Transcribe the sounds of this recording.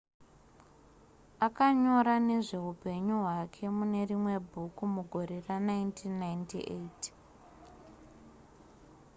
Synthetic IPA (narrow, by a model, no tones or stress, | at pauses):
akaɲo̞ɾane̞ʐe̞ɦupe̞ɲuɦwakʰe̞mune̞rimwe̞bʱukumuɡʱo̞ɾe̞ranaintʰinːajntḭʔet